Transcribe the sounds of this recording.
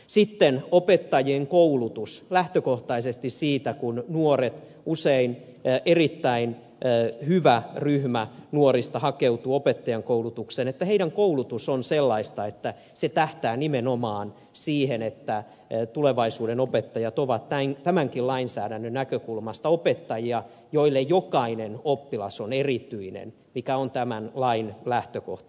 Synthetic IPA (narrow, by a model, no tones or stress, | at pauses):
sit̪ːenopet̪ːɑjieŋkoulut̪uslæht̪økoht̪ɑisest̪issiːt̪ækunnuoret̪ | usein | ʔerit̪ːæin | hyʋæryhmænuorist̪ɑhɑkeut̪uːopet̪ːɑjɑŋkoulut̪uksenet̪ːæheiɾæŋkoulut̪usonselːɑist̪ɑet̪ːæ | set̪æht̪æːnimenomɑːn | siːhenet̪ːæ | t̪uleʋɑisuːdenopet̪ːɑjɑt̪oʋɑt̪tæŋt̪æmæŋkilɑinsæːɾænːønækøkulmɑst̪ɑopet̪ːɑjiɑ | joilːejjokɑinenopːilɑsonerit̪yinḛn | mikæont̪æmænlɑinlæht̪øko̰ht̪